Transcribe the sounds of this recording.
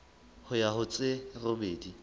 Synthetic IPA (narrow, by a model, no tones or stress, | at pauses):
hʊjahʊt͡sʼeromeːdi